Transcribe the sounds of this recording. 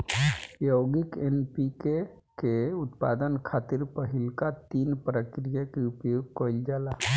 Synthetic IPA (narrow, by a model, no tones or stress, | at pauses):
joːɡikenpike | keʊt̪pa̰ːd̪ənkʰaːt̪ɪɾpəɦɪlkat̪iːnpɾəkɾijakeupjoːɡ̚koild͡ʒaːla